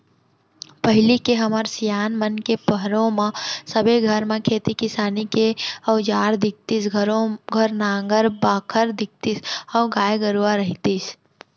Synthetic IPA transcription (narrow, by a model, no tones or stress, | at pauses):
pəɦɪlikeɦəməɾsijaːnmənkepəɦɾõmãsəbʱeɡʱəɾmẽkʰeːt̪ikɪsaːnikeəʊd͡ʒaːɾd̪ɪk̚t̪isɡʱəɾoɡʱəɾnaːŋɡəɾbaːkʰəɾd̪ɪk̚t̪isɔʊɡaːjɡəɾuaɾəɦit̪is